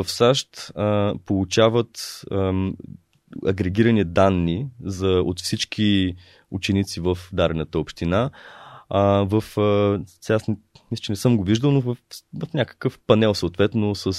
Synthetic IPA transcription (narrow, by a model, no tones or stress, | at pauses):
əfsaʃt̪əpolˠut͡ʃavət̪ | ɐɡɾɛɡ̟iɾənid̪anːizɐo̰t̪fsit͡ʃk̟ʰi | ut͡ʃɛnit̪sivəfd̪aɾɛnət̪əopʃt̪ina | vəfsasnmisʲət͡ʃɛnɛsɤmɡoviʒd̪əlˠnovvəfnʲakə̥kəfpɐnɛlˠsoot̪vɛt̪nosəs